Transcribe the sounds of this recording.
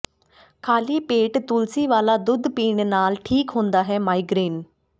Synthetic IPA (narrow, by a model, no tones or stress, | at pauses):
kʰaːliːpeːʈt̪ʊlsiːʋaːlaːd̪ʊd̪piːɳnaːlʈʰiːkɦõːnd̪aːɦɛːmaːiːɡɾiːn